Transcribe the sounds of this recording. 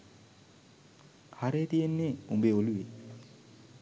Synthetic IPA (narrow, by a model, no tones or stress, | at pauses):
haɾet̪ijenːeumbeoluwe